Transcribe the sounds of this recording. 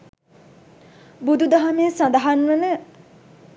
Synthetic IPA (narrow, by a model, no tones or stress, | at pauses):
bud̪ud̪aɦameːsãnd̪aɦanʋənə